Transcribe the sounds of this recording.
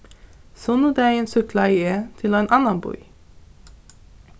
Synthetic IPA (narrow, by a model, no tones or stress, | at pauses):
sɔnud̪eæɪeːnsʉklɑiːeːt̪ʰɪlːeːnʔɑnɑnbɔ̰ʏ